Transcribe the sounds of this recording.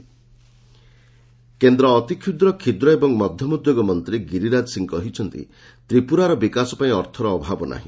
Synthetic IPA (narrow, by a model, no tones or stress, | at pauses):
kend̪ɾɔːt̪ikʰud̪ɾɔkʰid̪ɾɔebɔŋmɔd̪ʱjɔmud̪joɡɔmɔnt̪ɾiɡiɾiɾad͡ʒɔsiŋkɔɦit͡ʃʰɔnt̪ḭ | t̪ɾipuɾaɾɔbikasɔpaĩɔɾt̪ʰɔɾɔːbʱabɔna̰ɦḭ̃